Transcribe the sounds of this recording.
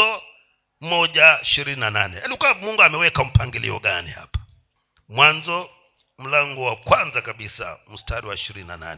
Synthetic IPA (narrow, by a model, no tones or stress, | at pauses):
ɔ | mɔʄaiʃiɾininananɛaliɔkaamuŋɡuamɛwɛkam̩paŋɡilḭɔ̰ɡa̰nḭha̰pḁ | mwanzɔ | m̩laŋɡɔwakwanzakaɓisa̰m̩staɾiwaiʃiɾinina̰na̰nɛ